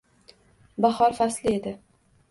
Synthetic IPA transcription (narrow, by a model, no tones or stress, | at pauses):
bahɒɾfaslɪe̞d̪ɪ